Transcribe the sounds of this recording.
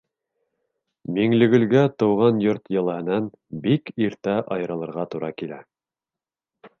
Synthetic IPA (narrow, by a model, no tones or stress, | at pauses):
miŋlɘ̆ɡɵ̆lɡæt̪ɤ̆wʁɑnjoɾt̪jɤ̆lˠɤ̆hɤ̆nɑn | bikiɾt̪æʔɑjɤ̆ɾɤ̆lˠɤ̆ɾʁɑt̪uɾɑkilæ̰